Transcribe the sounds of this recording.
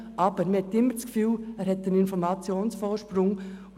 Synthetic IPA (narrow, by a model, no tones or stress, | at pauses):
ʔɑb̥əɾməhɛt̪ːɪmːəɾt͡skfyːlæːɾhɛtdənɪnfɔɾmɑt͡sjoːnsfɔːɾʃpɾʊŋ